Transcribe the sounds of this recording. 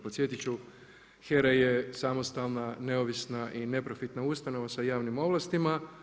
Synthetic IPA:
potsje̞t̪it͡ʃu | xeɾajesamo̞st̪alˠnane̞oʋisnaʔine̞pɾo̞fit̪naust̪ano̞ʋasajaːʋnimo̞ʋlˠast̪ima

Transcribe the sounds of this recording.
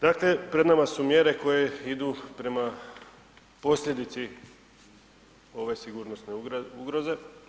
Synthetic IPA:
d̪̥akle̞pɾe̞d̪namasumje̞ɾe̞ko̞jeid̪uːpɾe̞ma | po̞sʎʲe̞d̪it̪si | o̞ʋe̞siɡuːɾnosneuɡɾo̞ze̞

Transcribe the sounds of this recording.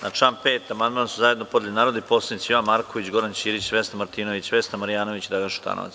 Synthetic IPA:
naʈ͡ʂaːnpeːt̪amand̪mansuzajed̪no̞po̞d̪lilinaːɾod̪ipoːslait̪iʋanmaɾkoʋit͡ɕɡo̞ɾant͡ɕiːɾit͡ɕʋest̪amaɾt̪iːno̞ʋit͡ɕʋest̪amaɾijaːno̞ʋit͡ɕid̪ɾaɡanʃu̥t̪a̰no̰a̰t̪s

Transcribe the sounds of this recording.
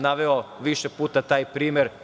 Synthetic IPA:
naʋeoʋiʃepuːt̪at̪aːjpɾiːmeɾ

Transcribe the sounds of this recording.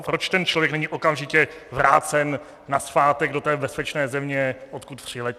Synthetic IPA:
pɾot͡ʃt̪ɛnt͡ʃlo̞vjɛknɛɲiʔo̞kamʒɪcɛvɾa̰ːt͡sɛnː | asfaːt̪ɛɡdo̞t̪ɛːbɛspɛt͡ʃnɛːzɛmɲɛʔot̪kut̪t̪ːr̥ilɛ

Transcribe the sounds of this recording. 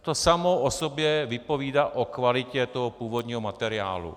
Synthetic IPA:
t̪o̞samoʔosobjɛvɪpo̞viːdaʔokvalɪcɛt̪o̞ɦopuːvo̞d̪ɲiːɦomat̪ɛɾɪa̰ːlṵ

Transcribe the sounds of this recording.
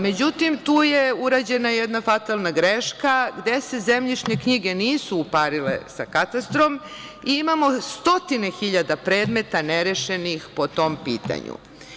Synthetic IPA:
me̞d͡ʑut̪imt̪uːjeuɾaːd͡ʑe̞najed̪nafat̪alˠnaɡɾeʃkaɡd̪ese̞zemʎiʃɲe̞kɲiɡe̞niːsuupaɾilḛsa̰kat̪ast̪ɾomiimamo̞st̪o̞t̪ine̞xiʎad̪apɾe̞ːd̪me̞t̪aneɾeʃe̞nixpo̞t̪o̞mpiːt̪a̰ɲṵ

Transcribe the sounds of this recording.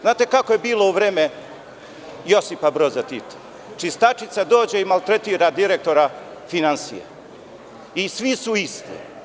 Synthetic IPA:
znaːt̪e̞kakoje̞biːlˠo̞uʋɾeːme | jo̞sipabɾozat̪it̪ḁ | t͡ʃist̪at͡ʃit̪sad̪o̞ːd͡ʑeimalˠt̪ɾet̪iːɾad̪iɾek̚t̪o̞ɾafinansḭjḛ | isʋisuist̪ḭ

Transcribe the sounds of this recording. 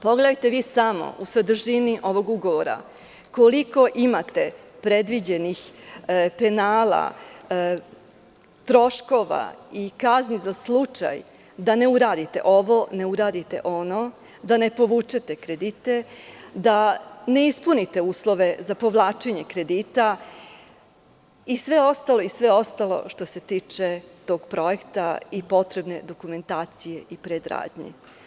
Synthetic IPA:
po̞ɡled̪ajt̪e̞ʋiːsamo̞̰ʔusʋed̪r̩ʒiniʔo̞ʋo̞ɡuɡo̞ʋoɾa̰ | koliko̞ʔimat̪e̞pɾe̞d̪ʋid͡ʑe̞nix | pe̞naːla̰ | t̪ɾo̞ʃko̞ʋa̰ikaznizaslˠut͡ʃa̰j | d̪ane̞uɾaːd̪it̪e̞̰ʔo̞ʋone̞uɾaːd̪it̪e̞̰ʔo̞no̞ | d̪ane̞po̞ʋuːt͡ʃet̪e̞kɾed̪it̪e̞d̪ane̞ispunit̪e̞uːslˠo̞ʋe̞zapo̞ʋlˠaːt͡ʃeɲe̞kɾe̞d̪iːt̪a | isʋe̞o̞st̪alˠo̞isʋe̞o̞st̪alo̞̰ʃt̪o̞se̞t̪iːt͡ʃe̞t̪o̞ːɡ̥pɾo̞e̞kt̪aipo̞t̪ɾe̞bne̞d̪o̞kume̞nt̪aːt̪sije̞ʔipɾed̪ɾa̰ːd̪ɲḭ

